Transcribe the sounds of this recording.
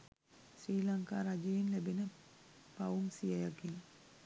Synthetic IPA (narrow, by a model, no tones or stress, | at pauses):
sriːlaŋka̰ːɾad͡ʒejenlæbenə | paumsijajaɡeŋ